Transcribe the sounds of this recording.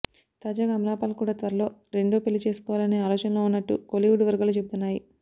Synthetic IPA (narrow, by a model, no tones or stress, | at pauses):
t̪aːd͡ʒaːɡaːmlaːpaːlkuːɽaːt̪ʋɐɾɐlo̞ːɾe̞ɳɖoːpelːit͡ʃe̞ːsu̥kɔːʋaːlɐneːaːlɔːt͡ʃɐnlo̞ːunːɐʈːṵkoliʋuɖʋɐɾɡaːlut͡ʃe̞but̪unːaːji